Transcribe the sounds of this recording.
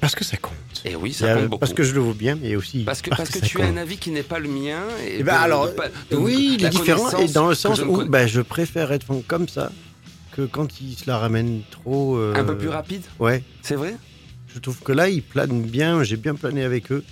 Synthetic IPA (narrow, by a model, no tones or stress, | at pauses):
paʁsə̥kəsakɔ̰̃t̪ḛwḭsabopaʁsskəʒələvwabjɛ̃mɛosipḁpaʁsaskəsayaɔ̃ɛ̃navikʲinɛpaləmjɛ̃ḛebaːlɔʁwilad̪ifeʁɑ̃sɛd̪ɑ̃ləsɑ̃subaʒəpχefɛʁɛt̪fɔ̃kɔmsa̰ | kʰəkɑ̃t̪ilsəlaʁamɛnt̪χoøɛ̃pølyʁapid̪wɛ | sɛvʁɛ | ʒət̪χuv̥kəlailpla̰nbjɛ̃ʒebjɛ̃planeavɛkø